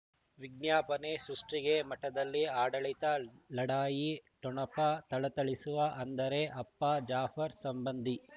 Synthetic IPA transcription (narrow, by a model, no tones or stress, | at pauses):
ʋiɡ̚njaːpɐnesɾuʂʈɾiɡemɐʈɐd̪ɐlːiaːɽɐɭit̪ɐlɐɽaːjiʈɔɳɐpɐt̪ɐɭɐt̪ɐɭisuʋɐʔɐnd̪ɐɾe̞ʔɐpːɐd͡ʒaːfʰɐɾsɐmbɐnd̪ʱi